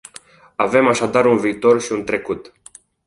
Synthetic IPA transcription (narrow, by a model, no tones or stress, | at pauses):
ave̞maʃad̪aɾunviːt̪o̞rʃiunt̪ɾe̞kut̪